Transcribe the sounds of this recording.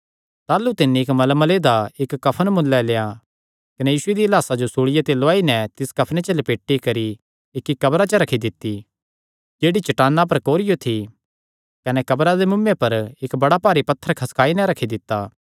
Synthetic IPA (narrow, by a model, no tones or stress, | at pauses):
t̪aːlut̪ɪnːiɪkmɐlmɐleːd̪aɪkːɐpʰənmʊ̃nlːɛleːa | kɐnɛjiːsʊed̪iɐlaːsad͡ʒosuːɽɪjet̪eloaːinɛ̃t̪ɪskɐpʰnet͡ʃɐlepeːʈːikɐɾi | ɪkːikɐbɾat͡ʃɐɾɐkʰid̪ɪt̪ːi | d͡ʒeːɽit͡ʃɐʈaːnːap̬ɐɾkoːɾɪjot̪ʰi | kɐnɛkɐbɾad̪emʊmːẽpɐɾɪkbɐɽapaːɾipɐt̪ʰːəɾkʰɐskʰaːinɛ̃ɾɐkʰid̪ɪt̪ːaː